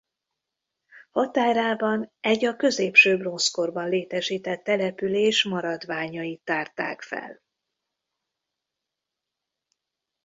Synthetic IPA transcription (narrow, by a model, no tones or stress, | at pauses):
hɒt̪aːɾaːbɒnɛɟɒkø̞zeːpʃøːbronsko̞rbɒnleːt̪ɛʃiːt̪ɛt̪ːɛlɛpyleːʃmɒɾɒd̪ʋaːɲɒjit̪ːaːrt̪a̰ːkfɛ̰l